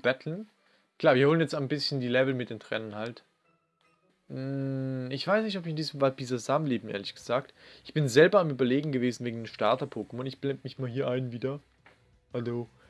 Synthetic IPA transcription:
b̥ɛtʰl̩n | kl̥aːviːɐhoːlənjɛt͡staɪnbɪsçəndiːlɛvl̩mɪt̚d̥eːntʁ̥ɛ̰ːnənhalt | ɪçv̥aɪsnɪçtɔpbɪçɪndiːsmvab̥ʰiːzazaːmmleːbm̩ʔḛːɐlɪçɡ̥əz̥aːk̚tʔɪçb̥ɪnzɛlbɐamʔyːbɐleːɡŋ̩ɡəveːzn̩veːɡŋ̩dəʃtaɐtɐpʰoːkəmɔnɪçb̥lɛndmɪçmaːlɦiːɐʔaɪnviːdɐ | ʔalzo

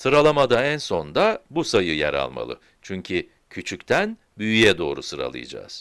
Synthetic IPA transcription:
sɯɾalˠamad̪aænso̞nd̪abusajɯjɛ̰ɾa̰lˠma̰lˠɯ̰ | t͡ʃʰyɲcʰi | cʰyt͡ʃʰyct̪ʰæn | byjyjɛd̪o̞̰ːɾusɯɾa̰lˠɯ̰jad͡ʒa̰ːz̥

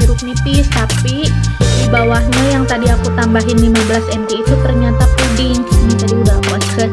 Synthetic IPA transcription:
uɾʊk̚nipɪst̪apidibawahɲajaŋt̪adiakut̪ambaɦɪnlimabəlasɛnt̪eit̪ut̪ərɲat̪apudɪŋnid͡ʒadiudaakə

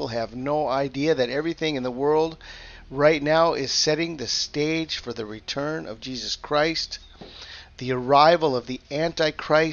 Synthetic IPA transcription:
lˠɨvnoʊaɪdiɨðɨɾɛvɹiθɪ̃ŋɨ̃nðəwɜ˞lˠd̚ | ɹaɪtⁿnaʊʔɪz̥sɛɾɪ̃ŋðɨsteɪd̥ʒ̥fə˞ðɨɹitʰɜ̃˞nʌ̰vd͡ʒizɨskʰɹ̥aɪst̪ | ðiə˞aɪvəl̩ˠʌvðiæ̃ntaɪkʰɹ̥aɪ

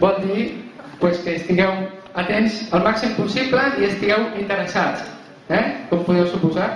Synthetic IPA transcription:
bɔlˠd̪i | pweskəst̪iŋɡɛw | ət̪enzəlˠmaksimpusibləiəst̪iɣɛwint̪əɾəsat͡s | ɛkɔmpuðɛwsupuza

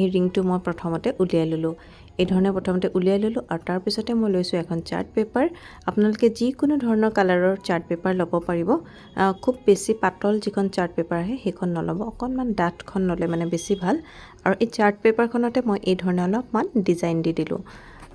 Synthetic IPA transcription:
ejɹiŋtʊmojpɹɔtʰɔmɔtɛʔulijajlolʊ̃ | ejdʱɔɹɔnɛpɹɔtʰɔmɔtɛʔulijajlolʊ̃ʔaɹutaɹpisɔtɛmojlojsʊ̃ɛkʰɔnt͡ʃa̰ɹt̚pepaɹapʊnalokɛzikʊnudʱɔɹɔnɔɹkalaɹɔɹt͡ʃaɹt̚pepaɹlɔbɔpaɹibɔ | kʰubːesipatɔlzikʰɔnt͡ʃaɹt̚pɛpaɹaɦɛxejkʰɔnːɔlɔ̰bɔːkɔnmandatkʰɔnlolɛmanɛbesibʱal | aɹuʔet͡ʃaɹt̚pepaɹkʰɔnɔtɛmojʔejdʱɔɹɔnɛɔlɔpmandizajndidilʊ̰̃

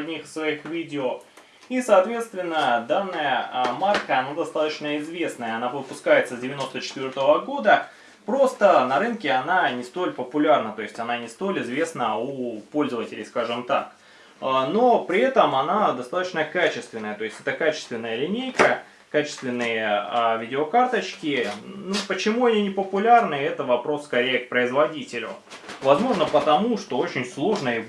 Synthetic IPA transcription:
dʲnʲixsvɐixvʲidʲɪo | isɐːt̪vʲe̞t̪st̪vʲɪnːəd̪anːəjəmarkəɐnad̪ɐst̪at̪ət͡ɕnəɪzvʲe̞snəjəɐnapəpʊskajɪt̪səzʲdʲɪvʲɪno̞st̪ət͡ɕɪ̥t̪vʲo̞rt̪əvəɡo̞d̪ə | pɾo̞st̪ənɐɾɨnkʲɪɐnanʲɪst̪o̞lʲpəpʊlʲarnət̪o̞jɪsʲtʲɐnanʲɪst̪o̞lʲɪzvʲe̞snəupo̞lʲzəvətʲɪlʲɪ̰jskaʐɨmt̪ak | ano̞pɾʲɪɛt̪əmɐnad̪ɐst̪at̪ə̥t͡ɕnəkat͡ɕɪst̪vʲɪnːəjət̪o̞ɪsʲtʲɛt̪əkat͡ɕɪ̥st̪vʲɪnːəjəlʲɪnʲejkə | kat͡ɕɪst̪vʲɪnːɨjəavʲidʲɪokart̪ət͡ɕkʲɪnupət͡ɕɪmuɐnʲinʲɪpəpʊlʲarnɨɛt̪əvɐpɾo̞sːkɐɾʲejək̚pɾəɪzvɐdʲitʲɪlʲʊ̰ | vɐzmo̞ʐnəpət̪ɐmuʂt̪o̞o̞t͡ɕɪnʲslˠo̞ʐnəɪ

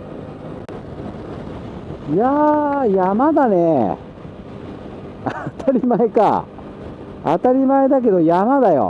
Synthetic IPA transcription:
jajamad̪ane | at̪ʰaɾʲimaeka̰ | a̰t̪aɾʲimaed̪ak̬e̞d̪o̞jamad̪ajo̰

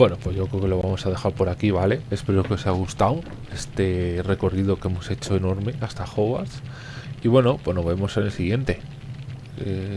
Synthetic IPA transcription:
bwe̞no̞pwe̞zʝokɾke̞lo̞β̞amo̞sað̞e̞xaɾpoɾakiβale̞espe̞ɾo̞keo̞saaɣ̞ust̪aw | e̞st̪e̞re̞ko̞riðo̞ke̞mo̞se̞t͡ʃo̞eno̞ɾme̞ast̪axo̞βa̰s | iβwe̞no̞pwe̞no̞βe̞mo̞senelsiɣ̞je̞nt̪e̞ | e

